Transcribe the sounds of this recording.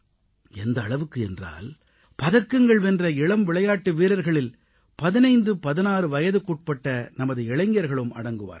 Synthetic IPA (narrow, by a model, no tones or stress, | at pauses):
ɛnd̪ɐːɭɐʋɯkːɯɛndra̰ːl | pɐðɐkːɯŋɡɐɭʋɛndrɐɪɭɐmʋɪɭɐjaːʈːɯʋiːɾɐɾɣɐɭɪl | pɐðɪnɐɪnd̪ɯpɐðɪnaːrɯʋɐjɐðɯkuːʈ̚pɐʈːɐnɐmɐðɯɛɭɐŋɡɪjɐɾɣɐɭɯmɐ̰ɽɐŋɡɯʋa̰ːɾ